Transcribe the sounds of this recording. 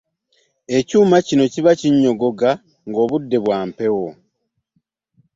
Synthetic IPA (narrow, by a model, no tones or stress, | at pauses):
e̞cuːmacino̞ciβaciɲːo̞ɡo̞ɡa | ŋɡo̞ːβudːe̞βwaːmpe̞wo̞